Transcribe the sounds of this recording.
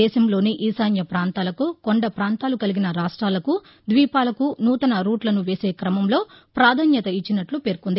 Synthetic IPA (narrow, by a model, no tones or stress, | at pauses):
ɛːʃɐmlo̞ːniʔiːsaːnjɐpɾaːnt̪aːlɐkuko̞ɳɖɐpɾaːnt̪aːlukɐliɡinɐɾaːʂʈɾaːlɐku | d̪ʋiːpaːlɐkunuːt̪ɐnɐɾuːʈlɐnuʋe̞ːse̞ːkɾɐmɐmlo̞ː | pɾaːd̪ʱɐnjɐt̪ɐit͡ʃːinɐʈlupe̞ːɾukund̪i